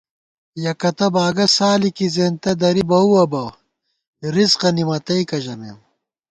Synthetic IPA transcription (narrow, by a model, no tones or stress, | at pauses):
jɐkɐt̪ɐbaːɡɐsaːlikizeːnt̪ɐd̪ɐɾibɐuɐbɐ | ɾizqɐnimɐt̪ɐikɐʑɐmḛːm